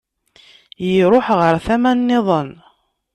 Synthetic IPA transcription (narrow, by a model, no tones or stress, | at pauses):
jiɾˤoħʁəɾˤθæmænːɪðˤən